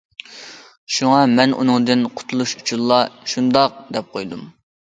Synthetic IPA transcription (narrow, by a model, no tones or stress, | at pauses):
ʃuŋɑmɛnʔṵnɨŋd̪ɨnqʰʊ̥t̪ʰulˠuʃu̥t͡ʃʰunlˠɑʃund̪ɑq̚d̪ɛp̚qʰojd̪um